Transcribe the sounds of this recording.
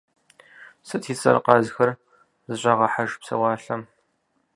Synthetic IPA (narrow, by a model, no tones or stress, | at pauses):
sɐtʰiːt͡sʼɐ̰rqɑzxɐr | zɨɕʼɐʁɐħaʒpsɐ̰wɑːɬɐm